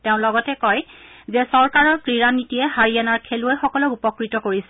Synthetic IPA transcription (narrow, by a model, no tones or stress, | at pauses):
teʊ̃lɔɡɔtɛkɔjzɛsɔɹkaɹɔɹkɹiɹanitijɛhaɹiɛnaɹkʰeluɛxɔkɔlɔkupɔkɹitɔkoɹisɛ